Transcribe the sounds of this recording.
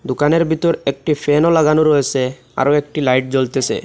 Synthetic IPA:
d̪ukaneɾbʱit̪oɾek̚ʈifʰenolaɡanoɾoet͡ɕʰe | a̰ɾoek̚ʈilajʈ̚d͡ʑolt̪et͡ɕʰḛ

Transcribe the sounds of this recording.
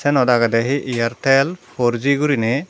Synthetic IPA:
sɛnɔdaɡadɛɦiʔijaɾtɛlpʰɔɾziɡuɾinɛ

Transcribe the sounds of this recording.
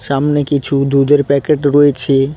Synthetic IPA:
ʃamnekit͡ɕʰud̪ud̪eɾpɛkeʈɾoet͡ɕʰe

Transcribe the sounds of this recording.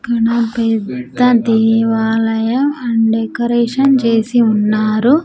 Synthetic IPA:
kɐɳɐpɛd̪ːɐd̪iːʋaːlɐjɐmɐɳɖekɐɾeːʂɐnt͡ʃe̞ːsiunːaːɾu

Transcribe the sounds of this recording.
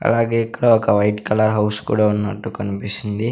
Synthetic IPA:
ɐ̰laːɡeːikːɐɽɐɔkɐʋɐjʈkɐlɐɾɦɐwskṵːɽaːunːɐʈːukɐnipisind̪i

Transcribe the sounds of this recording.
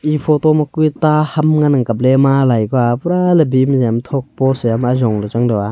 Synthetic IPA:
ipʰɔtɔmakujtahamŋanaŋkap̬̚lemalajkɔapɾalebimsjamtʰɔk̚pɔsejamazɔŋlɯt͡ʃaŋdɯwa

